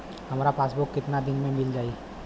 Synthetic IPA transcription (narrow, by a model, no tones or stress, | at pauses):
hɐmɾapaːsbʊkːɪt̪nad̪ɪnmẽmɪld͡ʒaːi